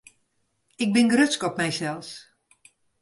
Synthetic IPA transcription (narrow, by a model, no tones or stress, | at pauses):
ɪɡ̚bɪnɡrøskɔp̚mɛjsɛlˠs